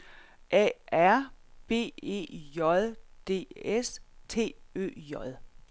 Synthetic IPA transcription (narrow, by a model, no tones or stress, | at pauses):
ʔɛ̰æɐ̰b̥e̝̰ːe̝̰ːjɒðˠd̥e̝̰ːest͡sʰe̝̰ːø̰ːjɒðˠ